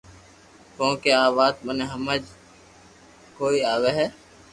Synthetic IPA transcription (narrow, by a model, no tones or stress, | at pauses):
kõːkeaːβaːt̪̚məneɦɐməd͡ʒ | koːiaːweɦɛː